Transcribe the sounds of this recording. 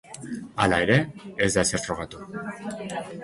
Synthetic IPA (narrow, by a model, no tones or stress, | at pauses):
alae̞ɾe̞ːzd̪aeseɾfɾo̞ɣ̞at̪u